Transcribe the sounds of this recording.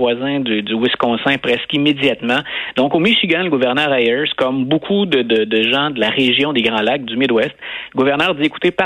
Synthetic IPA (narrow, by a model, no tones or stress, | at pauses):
wazɛ̃d̪yd̪ywɪskɔ̃sɛ̃pʁɛskimedd͡z̪jat̪mɑ̃d̪ɔ̃komiʃiɡãləɡuvɛʁnœːʁajɛɹskɔmbokʰud̪əd̪əd̪əʒɑ̃d̪əlaʁeʒjɔ̃d̪eɡʁɑ̃lak̚d̪ymɪd̪wɛst̪ləɡuvɛʁnœːʁd̪ieku̥t̪epa